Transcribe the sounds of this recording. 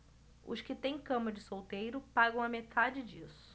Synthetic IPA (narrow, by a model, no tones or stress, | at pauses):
ʊ̰skɪt̪ẽj̃kɐ̃mɐd͡ʒɪsowt̪ejɾʊpaɡɐ̃w̃ɐmet̪ʰad͡ʒɪd͡ʒisʊʊ̥